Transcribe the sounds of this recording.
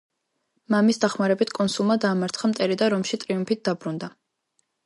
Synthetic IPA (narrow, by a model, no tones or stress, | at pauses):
mamisd̪aχmaɾɛbit̪ʰkʼɔnsulˠmad̪aːmaɾt̪ʰχamt̪ʼɛɾid̪aɾɔmʃit̪ʼɾiumpʰit̪̚d̪abɾund̪a